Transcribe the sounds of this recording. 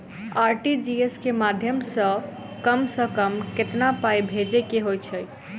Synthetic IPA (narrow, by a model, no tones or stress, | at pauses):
aɾʈid͡ʒieskemad̪ʱjəmsə̃ | kəmsəkəmket̪napajbʱed͡ʒekeɦojt͡ʃʰəj